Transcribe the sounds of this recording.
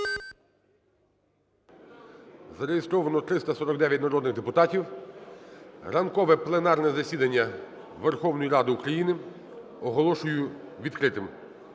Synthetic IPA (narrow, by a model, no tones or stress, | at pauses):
zɐɾejɪst̪ɾɔʋɐnɔt̪ɾɪst̪ɐsɔɾɔɡd̪ɛʋʲjɐt̪ʲnɐɾɔd̪nɪɣd̪epʊt̪ɑtʲiw | rɐnkɔʋɛplˠenɑrnɛzɐsʲid̪ɐnʲːɐ | ʋerxɔwnɔjiɾɑd̪ɪukɾɐjinɪ | ɔɦɔlˠɔʃʊjʊʋʲid̪kɾɪt̪ɪm